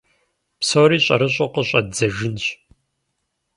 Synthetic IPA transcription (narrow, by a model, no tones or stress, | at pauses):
psowɾiːɕʼɐ̰ɾɨɕʼoqəɕʼɐdd͡zɐʒɨnɕ